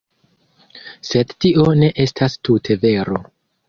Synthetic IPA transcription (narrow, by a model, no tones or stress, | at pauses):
se̞dtiʔo̞ne̞ʔe̞stʰastutʰe̞ve̞ɾo̞